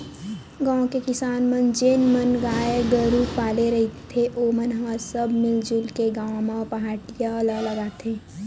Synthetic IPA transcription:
ɡãːõkekɪsaːnmənd͡ʒeːnmənɡaːjeɡəɾupaːleɾɐɦt̪t̪ʰeʔoːmənɦãsəbmɪld͡ʒʊlkeɡaːõmãpɐɦaːʈijaləɡləɡaːt̪ʰeː

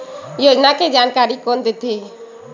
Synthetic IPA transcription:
joːd͡ʒnaked͡ʒaːnkaːɾikoːnd̪et̪ʰe

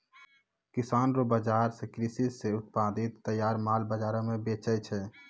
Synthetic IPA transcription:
kɪsaːnɾobəd͡ʒaːɾsekɾisizseʊt̪̚paːd̪ɪt̪ːəjːaːɾmaːlbəd͡ʒaːɾõmẽbeːt͡ʃɛt͡ʃʰɛ

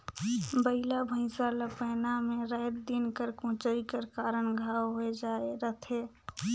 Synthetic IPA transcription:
bəilabʱə̃ɪ̃saləpəːnamẽɾɛːt̪d̪inkəɾkõːt͡ʃəikəɾkaːɾənɡʱaːwɦoed͡ʒaːeɾət̪ʰeː

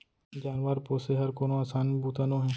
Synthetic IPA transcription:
d͡ʒaːnʋəɾpoːseɦɐɾkoːnõaːsaːnbuːt̪ənõɦɛ̃ː

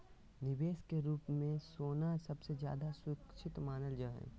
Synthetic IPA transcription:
nɪbeːskeɾuːpmẽsoːnasɐbsed͡ʒja̰ːd̪aswɪkʃʰɪt̪maːnəld͡ʒoːɦɛ̰̃ː

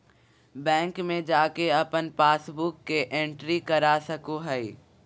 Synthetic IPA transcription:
bɛ̃ːŋkmẽd͡ʒaːkeɐpənpaːsbʊkːeʔẽɳʈɾikɐɾasɐkoɦɛi

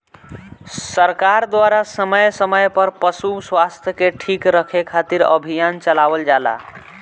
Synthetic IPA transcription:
səɾkaɾd̪waɾasəməjsəməjpəɾpəsuswast̪ʰjəkeʈʰikɾəkʰekʰat̪iɾə̰bʱijant͡ʃəlabəld͡ʒala̰

